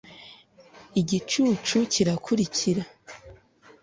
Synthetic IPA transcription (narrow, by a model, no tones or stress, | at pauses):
iɟit͡ʃuːt͡ʃucʰiɾakʰuɾicʰiɾa